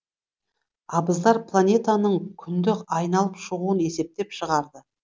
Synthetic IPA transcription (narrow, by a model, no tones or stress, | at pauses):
ɑbəzd̪ɑɾpʰlˠanʲe̞t̪anəɴkʲʰʏnd̪ɪkɑjnɑlˠəpʃəʁuəne̞se̞p̚t̪e̞pʃəʁɑɾd̪ə